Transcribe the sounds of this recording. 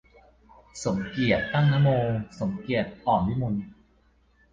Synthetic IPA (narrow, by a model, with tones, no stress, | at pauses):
so˩˦mki˨˩ət̪ːa˥˩ŋna˦˥moː˧so˩˦mki˨˩ət̪̚pʰɔː˨˩mli˦˥mu˧n